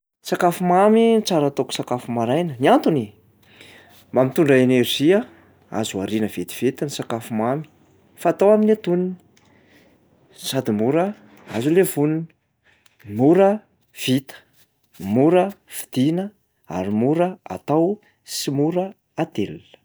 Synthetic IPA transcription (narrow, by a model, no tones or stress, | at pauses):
sakafumamint͡saɾət̪oku̥sakafumaɾajnəniant̪uni | mbamit̪uɳɖ͡ʐaineɾiziə | a̰zuaɾinəvet̪i̥v̥et̪ənisakafumami̥ | faat̪awaminat̪unini̥ | sad̪imuɾə | azulevunin | muɾə | v̥it̪ə̥ | muɾəfi̥d̪̥inə | a̰ɾimuɾəa̰t̪aw | simuɾə | at̪ell